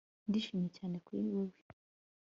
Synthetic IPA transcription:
ndiʃiːmjecaːne̞kwḭwowi

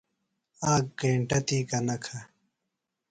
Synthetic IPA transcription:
aːk̚ɡẽːɳʈɐt̪iːkɐnɐkʰa

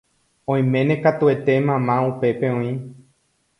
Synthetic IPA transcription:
õj̃mẽ̞nẽkat̪ue̞t̪e̞mãmãupe̞peõĩ

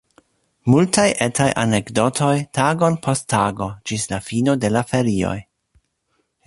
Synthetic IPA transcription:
multajʔetʰajʔa̰nekdo̞tʰo̞jtaɡo̞npʰostʰːaɡo̞d͡ʒislafino̞de̞lafeɾio̞̰j

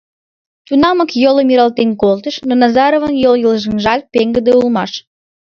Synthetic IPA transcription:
t̪unɑməkjoləmiɾɑlt̪enkolˠt̪ə̆ʃnonɑzɑɾovənjoljəlˠʒənʒɑl̚ʲpeŋɡəd̪eulmɑʃ

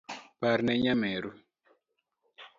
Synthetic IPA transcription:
paɾnɛɲamɛɾu

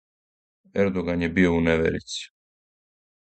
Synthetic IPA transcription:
ɛɾd̪oɡanjɛbiouneʋɛ̰ɾḭt̪si̥

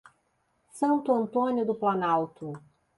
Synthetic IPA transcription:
sɐ̃nt̪ʊɐ̃nt̪õnjʊd̪ʊplɐnawt̪ʊ

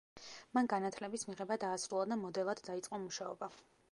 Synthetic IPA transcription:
manɡanat̪ʰlɛbismiʁɛbad̪aːsɾulˠad̪amɔd̪ɛlˠad̪̥d̪ait̪sʼqʼɔmuʃaɔba

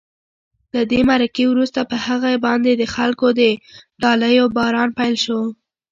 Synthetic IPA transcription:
ləd̪emaɾakewɾust̪apəhaɣabɑnd̪ed̪əxalkod̪əɖɑləjobɑɾɑnpajlʃo

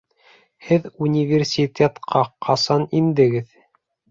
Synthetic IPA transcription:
hɘðunʲivʲersʲit̪ʲet̪qɑqʰɑsɑnind̪ɘ̆ɡɘð

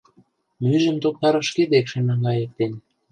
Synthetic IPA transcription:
myʒə̆mt̪ok̚t̪ɑɾɤʃked̪ekʃenɑŋɡɑjə̆k̚t̪en

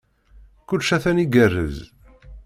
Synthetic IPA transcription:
kʊlʃæθæniɡərːə̰z

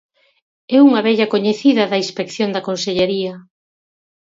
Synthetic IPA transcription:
ɛuŋɐβɛʎɐkoɲeθiðɐðɐinspekθjond̪ɐkonseʎeɾiɐ

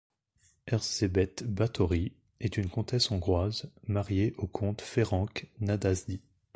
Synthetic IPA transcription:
ɛʁzebɛt̪bat̪ɔʁi | ɛt̪ynkɔ̃t̪ɛsɔ̃ɡʁwazmaʁjeʔokʰɔ̃t̪feʁɑ̃knad̪azd̪i

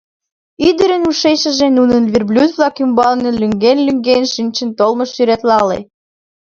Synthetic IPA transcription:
yd̪əɾənuʃejʃə̆ʒenunənvʲirblʲud̪βlɑkymbɑlnelyŋɡenlyŋɡenʃinʲt͡ɕə̆nt̪olməʃːyɾæt̪lɑlḛ

